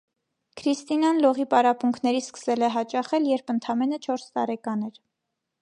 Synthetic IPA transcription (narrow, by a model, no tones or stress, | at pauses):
kʰɾist̪inɑnlɔʁipɑɾɑpuŋkʰnɛɾiskə̥sɛlɛɦɑt͡ʃɑχɛljɛɾpʰənt̪ʰɑmɛnət͡ʃʰɔɾst̪ɑɾɛkɑnɛɾ